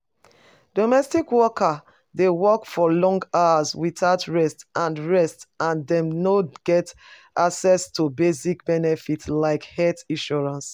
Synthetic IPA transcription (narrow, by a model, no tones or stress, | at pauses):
d̥omɛstikwɔkʰa | dewɔkfɔlɔ̃ŋɡaazwitaʊtɹɛstʔãnɹɛstãndɛ̃mnoɡ̥ɛtʔaksɛstubesikbɛnɛfitlaɪkhɛtĩʃɔɹãns